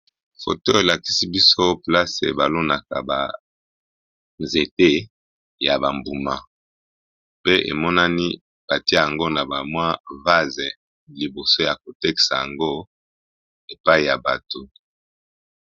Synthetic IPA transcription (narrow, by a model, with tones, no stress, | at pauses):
fo̰˨to˦e˨la˨ki̥˦si˦bi˦so˦pla˦sḛ˨ba˨lo˦na˨ka̰˨ba̰˨ | nze˨te˦ | ja˨ba˨mbu˨ma˨ | pe˦ʔḛ˨mɔ˦na˦ni˦ | b̥a˨ti˦a˦ja˨ŋɡo˦na˨ba˨mwa˦va˦ze˨ | li˨bo˨so˦ja˨ko˨tɛ˦ki̥˨sa̰˨ja̰˨ŋɡo˦ | e˨pa˦i˦˨ja˨ba˨to˨